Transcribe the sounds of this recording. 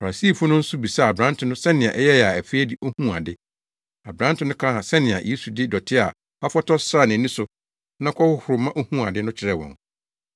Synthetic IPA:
fa˨a˨siː˦˨fʊ˦nʊ̃˦n̩˦sʊ˦bi˨sa˦˨bɾã˦n˦tʰʊ̃˨nʊ̃˦sɛ˦nɪ̃˨a˨ʔɛ˦jɛ˦ja˨æ˨fe˦dɪ˦ʔo˦hũ˦a˨dɪ˦ | a˨bɾã˦n̩˦tʰʊ̃˦nʊ̃˦kʰã˦a˨sɛ˦nɪ̃˨a̰˨jʔe˦su˨dɪ˦dɔ˨tʰɪ˦a˨ | a˦fɔ˦tʰɔ˦sa˦˨nɪ̃˨nĩ˦sʊ˨ | nã˦kʰɔ˦hʊ˦hʊ˨ɾʊ˨mã˦ʔo˦hũ˦a˨dɪ˦nʊ̃˦t͡ɕʰɪ˨ɾɛ˦˨wɔ̰̃˨ŋ

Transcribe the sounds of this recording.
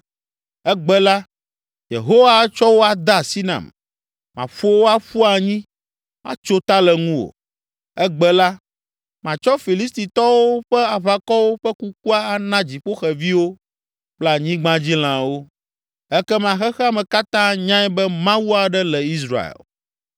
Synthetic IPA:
ɛ˦ɡ͡bɛ˦la˦ | jḛ˨ɦo˦wa˦t͡ʃɔ˦wo˦a˨d̪a˦˨si˦nã̰˨m | mã̰˨ɸo˦wo˦a˦ɸu˦a˨ɲĩ˦ | mã̰˦t͡ʃo˦t̪a˦lɛ˨ŋũ˦wo̰˨ | ɛ˦ɡ͡bɛ˦la˦ | mã˨t͡ʃɔ˦fi˨li˦st̪i˨t̪ɔ˦wo˦ɸɛ˦a˨βa˨kɔ˦wo˦ɸɛ˦ku˦k̚u˦a˦a˨nã˦d͡ʑi˨ɸo˦xɛ˨vi˦wo˦ | k͡plɛ˦a˨ɲĩ˦ɡ͡bã˦d͡ʑi˦l̃ã˨wo˦ | ɛ˦kɛ˦mã˨xɛ˦xɛ˦a˦mɛ̃˨ka˦t̪ã˦ɲã˦ɛ˦bɛ˦mã˦wu˦a˨ɖɛ˦lɛ˨i˦sɾa̰˨ḛ˨l

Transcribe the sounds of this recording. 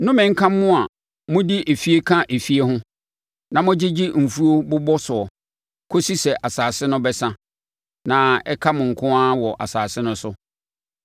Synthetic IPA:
nʊ̃˦mɪ̃˨ŋ̩˦kʰã˦mː˦ʊ̃˦a˨ | mʊ̃˦di˦ʔe˨fi˦e˦kʰã˦ʔe˨fi˦e˦ɦʊ̃˦ | nã˨mʊ̃˦d͡ʑɪ˦d͡ʑi˦m̩˨fu˦o˦bʊ˦bɔ˦sʊ˨ɔ˨ | kʰo˦si˦sɛ˨ʔa˨saː˨sɪ˦nʊ̃˦bɛ˦sã˦ | nã˨ɛ˦kʰa˦mʊ̃˨ŋ̩˨kʰʊ̃˦a˦wɔ˨ʔa̰˨saː˨sɪ˦nʊ̃˦sʊ˦

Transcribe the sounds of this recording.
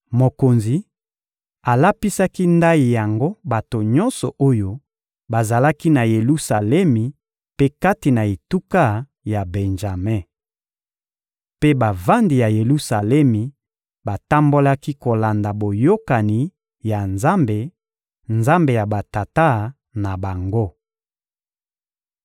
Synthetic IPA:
mo˨ko˨nzi˨ | a˨la˦pi˦sa˦ki˦nda˦i˨ja˨ŋɡo˦ba˨to˨ɲɔ˦nsɔ˨ʔo˦jo˦ | ba˨za˨la˦ki˦na˨je˨lu˦sa˨lɛ˦mi˨ | pe˦ka˦ti˨na˨e˨tu˦ka˦ | ja˨bɛ˨nʒa˨mɛ˦˨ | pe˦ba˨va˦ndi˨ja˨je˨lu˦sa˨lɛ˦mi˨ | ba˨ta˦mbo˦la˦ki˦ko˨la˨nda˨bo˨jo˦ka˨ni˨ | ja˨nza˦mbe˨ | nza˦mbe˨ja˨ba˨ta˨ta˦ | na˨ba˨ŋɡo˦

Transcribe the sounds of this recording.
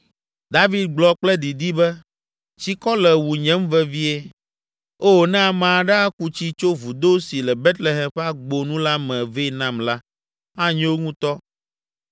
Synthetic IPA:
d̪a˦vi˦d̪̚ɡ͡blɔ˨k͡plɛ˦d̪i˨d̪i˦bɛ˦ | t͡ɕi˦kɔ˦lɛ˨wu˨ɲɛ̃˦m˦vɛ˦vi˦e˦ | o˦˨nɛ̃˦a˨mã˨ɖɛ˦a˦ku˦t͡ɕi˦t͡ʃo˦vu˨d̪o˦si˨lɛ˨be˦t̪le˨ɦɛ˨mɸɛ˦a˦ɡ͡bo˨nũ˦la˦mɛ̃˨ve˦˨nã˦mla˦ | a˦ɲɛ̃˦wo˦ŋũ˦t̪ɔ˦

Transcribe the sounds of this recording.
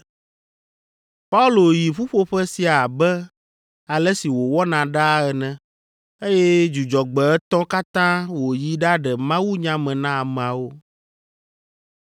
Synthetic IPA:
pa˦u˦lo˨ji˨ɸu˦ɸo˦ɸɛ˦si˨a˨bɛ˦ | a˨lɛ˦si˨wo˨wɔ˦nã˨ɖa˦ɛ˨nɛ̃˨ | e˦jɛ˦d͡ʒu˨d͡ʒɔ˨ɡ͡bɛ˨ɛ˦t̪ɔ̃˦ka˦t̪ã˦wo˨ji˦ɖa˦ɖɛ˨mã˦wu˦ɲã˦mɛ̃˨nã˦a˨m̃˨a˨wo˦

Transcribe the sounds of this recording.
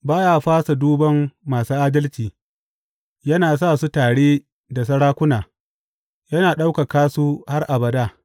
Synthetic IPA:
baː˦jaː˦ɸaː˦sa˨duː˦bɐ˦mːaː˨suː˦ʔaː˦dɐ˦lt͡ʃiː˨ | jɐ˦naː˨saː˦˨su˦taː˨ɽeː˦ | da˨s̬ɐ˦ɽaː˦kʷʊ˦naː˨ | jɐ˦naː˨ɗa˦wka˨kaː˦su˦ha˦rʔa˨bɐ˨daː˦˨

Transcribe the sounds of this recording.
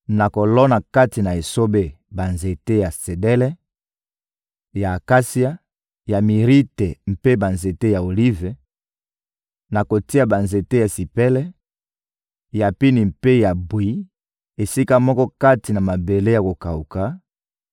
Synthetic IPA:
na˨ko˨lɔ˦na˨ka˦ti˨na˨e˨so˦be˦ | ba˨nze˨te˦ja˨se˨dɛ˦lɛ˦ | ja˨ka˦si˦a˦ | ja˨mi˨ʁi˦te˨m̩˦pe˦ba˨nze˨te˦ja˨o˨li˦ve˨ | na˨ko˨ti˦a˨ba˨nze˨te˦ja˨si˨pɛ˦lɛ˦ | ja˨pi˦ni˨mpe˦ja˨bwi˨˦ | e˨si˦ka˦mɔ˦kɔ˦ka˦ti˨na˨ma˨be˨le˦ja˨ko˨ka˨u˨ka˨˦

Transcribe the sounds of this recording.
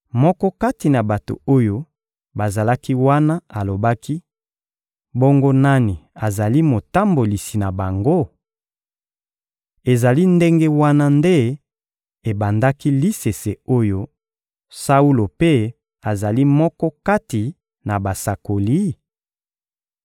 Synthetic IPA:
mɔ˦kɔ˦ka˦ti˨na˨ba˨to̰˨o˦jo˦ | ba˨za˨la˦ki˦wa˦na˦a˨lo˨ba˦kʰi˦ | bo˦ŋɡo˦na˦ni˨a˨za˨li˦mo˨ta˦mbo˨li˨si˨na˨ba˨ŋɡo˦ | e˨za˨li˦nde˦ŋɡe˦wa˦na˦nde˦ | e˨ba˨nda˦ki˦li˦se˨se˨o˦jo˦ | sa˦u˦lo˨pe˦ | a˨za˨li˦mɔ˦kɔ˦ka˦ti˨ | na˨ba˨sa˨ko˨li˦

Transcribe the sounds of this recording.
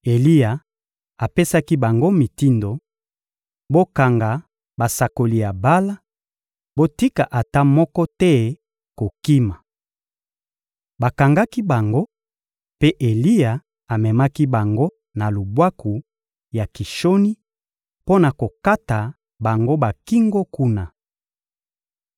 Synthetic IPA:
e˨li˦ja˨ | a˨pe˦sa˦ki˦ba˨ŋɡo˦mi˨ti˦ndo˨ | bo˦ka˨ŋɡa˨ | ba˨sa˨ko˨li˨ja˨ba˦la˦ | bo˦ti˦ka˨ʔa˨ta˦mɔ˦kɔ˦tɛ˦ | ko˨ki˦ma˨ | ba˨ka˨ŋɡa˦ki˦ba˨ŋɡo˦ | pe˦ʔe˨li˦ja˨ | a˨mɛ˨ma˦ki˦ba˨ŋɡo˦ | na˨lu˨bwa˦ku˨ | ja˨ki˨ʃo˦ni˦ | po˦na˨ko˨ka˦ta˨ | ba˨ŋɡo˦ba˨ki˦ŋɡo˦ku˦na˨

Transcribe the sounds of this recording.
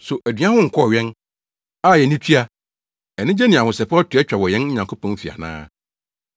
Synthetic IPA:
sʊ˨ʔæ˨dɥã˦hʊ̃˦ŋ̩˨kʰɔ˦˨ɥɛ̃˦n | a˦˨jɛ˨nĩ˦tʰi˦a˨ | ɛ˨nɪ̃˦d͡ʑɛ˦nɪ̃˨a˨hʊ̃˨sɛ˨pɔ˦tʰɪ˨˦ɛ˦t͡ɕᶣa˨wɔ˨jɛ̃˦n̩˦ɲã˨ŋkʰo˦pʰɔ̃˦n˦fi˨a̰˨nã̰ː˦

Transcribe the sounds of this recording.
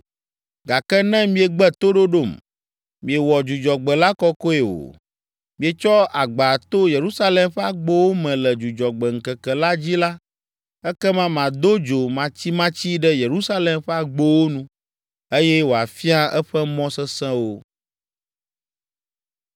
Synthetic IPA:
ɡa˨kɛ˦nɛ̃˦mĩ˦e˨ɡ͡bɛ˦t̪o˦ɖo˦ɖo˦˨m | mĩ˨e˨wɔ˨d͡ʒu˨d͡ʒɔ˨ɡ͡bɛ˨la˦kɔ˦ko˦e˨wo̰˨ | mĩ˨e˨t͡ʃɔ˦ʔa˨ɡ͡ba˨t̪o˦je˨ɾu˦sa˦lɛ˨mɸɛ˦a˨ɡ͡bo˦wo˦mɛ̃˨lɛ˨d͡ʒu˨d͡ʒɔ˨ɡ͡bɛ˨ŋ̩˨kɛ˨kɛ˨la˦d͡ʑi˦la˦ | ɛ˦kɛ˦mã˦mã˨d̪o˦d͡ʒo˨mã˨t͡ɕi˦mã˦t͡ɕi˦ɖɛ˦je˨ɾu˦sa˦lɛ˨mɸɛ˦a˨ɡ͡bo˦wo˦nũ˦ | e˦jɛ˦wo˨a˨fi˦a˦ɛ˦ɸɛ˦mɔ̃˦sɛ˦sɛ̃˦wo˦

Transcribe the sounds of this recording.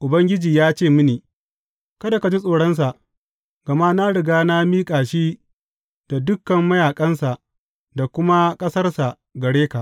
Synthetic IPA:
ʔʊ˨bɐ˦ŋɡʲɪ˦d͡ʒiː˨jaː˦t͡ʃeː˦˨mʊ˦niː˨ | kɐ˦da˨ka˨d͡ʒi˦sʼoː˨ɽɐ˦ns̬a˨ʔ | ɡ̥ɐ˨ma˦na˦ɽɪ˨ɡaː˦na˦miː˦kʼaː˨ʃiː˦ | d̥a˨dʊ˦kːɐ˨mːɐ˦jaː˨kʼɐ˦nsa˨ʔ | da˨kʷʊ˦ma˦kʼɐ˦sɐ˦rsa˨ | ɡɐ˨ɽeː˦ka˨ʔ

